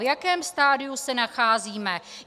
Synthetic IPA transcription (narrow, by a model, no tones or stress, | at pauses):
vjakɛːmst̪aːdɪjusɛnaxaːziːmɛ